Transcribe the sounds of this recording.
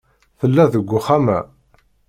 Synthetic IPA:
θəlːæðəɡʷːʊχæmæ̰

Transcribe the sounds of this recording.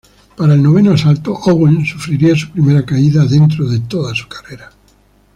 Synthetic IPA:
paɾaelnoβ̞enoasalt̪oʔoɣwensufɾiɾiasu̥pɾimeɾakaiðaðe̞nt̪̬ɾoðet̪oðasu̥kḁreɾa

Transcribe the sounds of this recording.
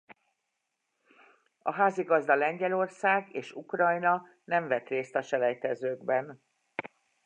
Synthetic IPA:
ɒɦaːziɡɒzd̪ɒlɛɲɟɛlo̞rsaːɡeːʃukrɒjnɒ | nɛɱvɛt̪reːst̪ɒʃɛlɛjt̪ɛzøːɡbɛn

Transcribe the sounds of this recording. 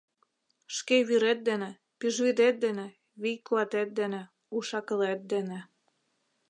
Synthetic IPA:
ʃkeβyɾet̪̚d̪enĕ | piʒβid̪et̪̚d̪enĕ | βijklɑt̪et̪̚d̪enĕ | uʃɑkə̆let̪̚d̪enĕ

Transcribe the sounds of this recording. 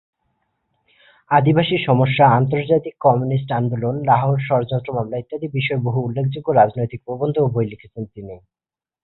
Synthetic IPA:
ad̪ibaʃiɾʃɔmoʃːaant̪̬oɾd͡ʑat̪ikːɔmunis̬ʈand̪ulonɾaɦoɾʃɔɾod͡ʑont̪ɾomamlait̪ːad̪ibiʃɔeboɦuulːekʰd͡ʑuɡːoɾad͡ʑnojt̪ik̚pɾobond̪ʱoubʱojlikʰe̥t͡ɕʰent̪ini

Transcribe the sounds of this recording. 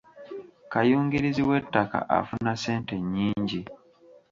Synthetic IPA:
kajuːŋɡiɾiziwe̞tːaka̰ʔa̰funase̞ːnte̞ɲːiːɲɟi

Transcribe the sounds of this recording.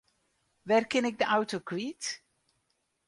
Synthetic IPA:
ʋɛrkɪnɪk̚dəʔawtokwit

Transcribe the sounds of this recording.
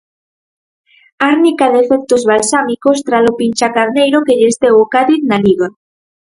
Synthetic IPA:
aɾnikaðefek̚t̪ozβalsamikost̪ɾalopinʲt͡ʃakaɾnejɾokeʎest̪ewokaðiðnaliɣa

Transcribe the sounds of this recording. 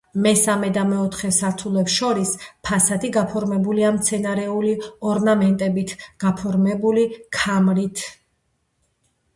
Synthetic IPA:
mɛsamɛd̪amɛɔt̪ʰχɛsaɾt̪ʰulɛpsʃɔɾispʰasat̪ʰiɡapʰɔɾmɛbuliamt̪sʰɛnaɾɛuliɔɾnamɛnt̪ʼɛbit̪ʰɡ̥apʰɔɾmɛbulikʰamɾit̪ʰ

